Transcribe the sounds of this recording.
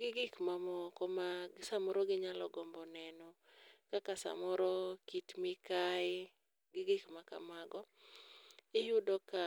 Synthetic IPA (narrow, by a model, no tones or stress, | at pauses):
ɡɪɡɪkmamɔkɔmaɡsamɔɾɔɡɪɲalɔɡɔmbɔnɛnɔ | kakasa̰mɔɾɔkitmɪkaɪ | ɡɪɡɪkmaka̰maɡɔ | ɪjudɔka